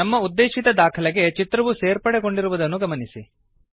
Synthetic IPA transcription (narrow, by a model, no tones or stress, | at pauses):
ɐmːɐud̪ːeːʂit̪ɐd̪aːkʰɐlɛɡe̞t͡ʃit̪ɾɐʋuseːɾpɐɽeɡo̞ɳɖiɾuʋud̪ɐnːuɡɐmɐnisi